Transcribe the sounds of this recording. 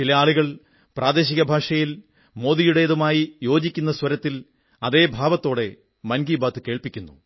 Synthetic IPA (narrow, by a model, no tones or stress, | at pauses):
t͡ɕilɐjaːɭuɣɐɭ | prʔaːd̪e̞ːɕiɣɐbʱaːʂɐjil | mo̞ːðijuɽe̞jːðumaːjijo̞ːd͡ʑikʲːunːɐswɐɾɐt̪ːil | ɐðe̞ːbʱaːʋɐt̪ːo̞ːɽe̞ | mɐnɡiːbaːt̪ːɨke̞ːɭpikʲːunːṵ